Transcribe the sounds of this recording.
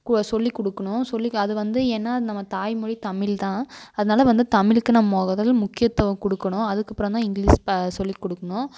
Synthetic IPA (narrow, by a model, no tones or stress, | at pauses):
kɐsɔlːikɔɽɯkːɐɳʊ̃sɔlːiɐðɯʋɐnd̪ɯɛnːɐnɐmːɐt̪aːjmʊɽit̪ɐmɪlt̪ãːɐðɐnaːlɐʋɐnd̪ɯt̪ɐmɪlɯkːɯnɐmɐmoːɣɐðɐlmʊkːɪjɐt̪ːɐʋɐ̃kɔɽɯkːɐɳʊ̃ɐðɯkːɐpːɾõnt̪ãːɪŋɡɭiːssɔlːikːɔɽɯkːɐɳʊ̃